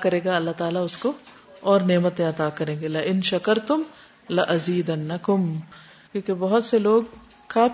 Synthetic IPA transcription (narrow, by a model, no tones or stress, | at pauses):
kɐɾẽːɡaɐlːaɦt̪aːlaʊsko | ɔːɾneːmət̪ẽɐt̪aːkɐɾẽːŋɡelɪʔɪnʃɐkɐɾt̪ʊm | lɪʔɐziːd̪ɐnːɐkʊm | kjõːkebɐɦʊt̪seloːɡ̚ | kaː